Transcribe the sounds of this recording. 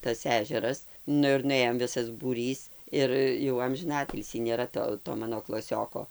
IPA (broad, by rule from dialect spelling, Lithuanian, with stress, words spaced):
tɐs ˈæːʒʲɛrɐs ˈnʊ ɪr nʊˈeːjoːm ˈʋʲɪsɐs buːˈrʲiːs ˈɪr jɛʊ ɐmʲʒʲɪˈnɑːtʲɪlʲsʲiː nʲeːˈrɐ toː toː ˈmɑːnoː klˠɐˈsʲoːkoː